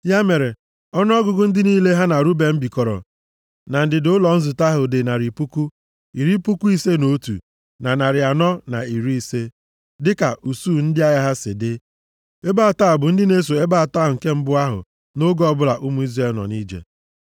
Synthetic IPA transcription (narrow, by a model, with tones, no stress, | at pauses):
ja˦me˨ɾe˨ | ɔ˦n˦ɔ˦ɡʊ˨ɡʊ˦n̩˦dɪ˦niː˦le˦ɦa˦na˨ɾu˦be˨m̩˦bi˨kɔ˨ɾɔ̰˨ | na˨n̩˨dɪ˨dʊ˦ʊ˦lɔ˨n̩˦zʊ˨ta˦ɦʊ˨dɪ˨na˨ɾi˨pu˦ku˦ | i˨ɾi˦pu˦ku˦i˦se˦no˦tṵ˨ | na˨na˨ɾɪ˨a˨nɔ˦na̰˨i˨ɾi˦i˨se˦ | dɪ˦ka˨ʔu˨suː˦˨n̩˦dɪ˦a˦ja˦ɦa˦sɪ̰˨dɪ˦ | e˦ba˦˨ta˦˨bʊ˨n̩˦dɪ˦ne˦s̬o˨e˦ba˦a˨ta˦˨ʊ˨ŋ̩˨ke˦m̩˦bʊ˦a˦ɦʊ̰˨ | no˦ɡɔ˦˨bʊ˦la˨ʔu˦mu˦i˦zɾe˦lnɔ̰˨ni˦d͡ʒḛ˨